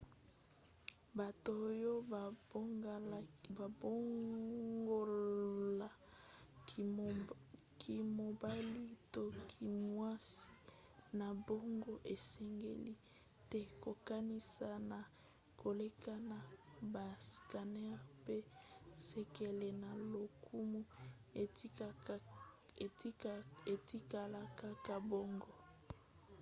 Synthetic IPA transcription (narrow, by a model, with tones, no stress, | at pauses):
ba˨to˨˦jo˦˨˦ | ba˨bo˦ŋ | ɡo˦la˨ | ki˨mo˨ba˦li˦to˦kʰi˨mwa˦si̥˦ | na˨bo˦ŋɡo˦ʔe˨sɛ˦ŋɡḛ˦li˦ | tɛ˦ko˨ka˦ni˦sa˨na˨ | kʰo˨le˦ka˦na˨ba˨ska˨nɛ˦ʁpe˦sɛ˦ke˨le˨na˨lo˨kʰu˦mu˦˨˦ | e˨ti˦ka˨la˨ka˦ka˨bo˦ŋɡo˦